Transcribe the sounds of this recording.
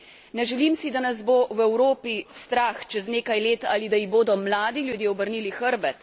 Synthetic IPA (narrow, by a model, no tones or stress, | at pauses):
nɛʒɛlimsid̪anazbowɛwɾoːpist̪ɾaːxt͡ʃɛzneːkajleːt̪a̰ːlid̪ajiɣboːd̪ɔmlaːd̪ilʲjud̪jeːɔbəɾniːlixəɾbɛt̪